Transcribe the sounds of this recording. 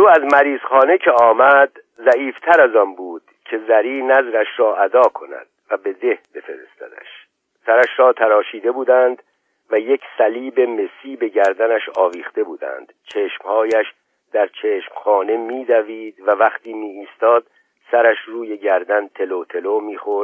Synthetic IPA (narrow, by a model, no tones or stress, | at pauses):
ɾuːæzmæɾiːz̥χɒːne̞cʰe̞ɒːmæd̪ | zæiːft̪ʰæɾæzɒnbuːd̪̥cʰe̞zæɾiːnæzɾæʃɾɒːʔæd̪ɒːkʰo̞næ̰d̪̥̚væbe̞d̪e̞hbe̞fe̞ɾḛst̪æ̰d̪æ̰ʃ | sæɾæʃɾɒːt̪ʰæɾɒːʃiːd̪e̞buːd̪ænd̪ | væje̞cʰsæliːbe̞me̞siːbe̞ɟæɾd̪ænæʃɒːviːχt̪e̞buːd̪æ̰nd̪̥t͡ʃʰeːʃmhɒːjæʃ | d̪̥æɾt͡ʃʰeːʃmχɒːne̞miːd̪æviːd̪vævæχt̪iːmiːiːst̪ɒːd̪̥̚ | sæɾæʃruːje̞ɟæɾd̪ænt̪ʰe̞loːt̪ʰe̞lomiːχoɾ̥